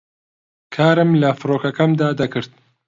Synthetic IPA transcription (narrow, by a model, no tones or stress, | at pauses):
kʰaːɾɨmlɐfɨɾoːkɐkɐmd̪aːd̪ɐkɨɾt̪̚